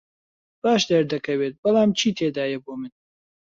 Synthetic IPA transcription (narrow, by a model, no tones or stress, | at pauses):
b̥aːʃd̪ɐɾd̪ɐkɐweːt̪̚bɐlˠaːmt͡ʃʰiːt̪ʰeːd̪aːjɛboːmɨn